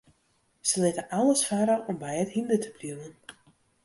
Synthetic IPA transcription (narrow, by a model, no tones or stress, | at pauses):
səlɪtəʔaləsfaɾəʔɔmbɛjəthindətʰəbljuwən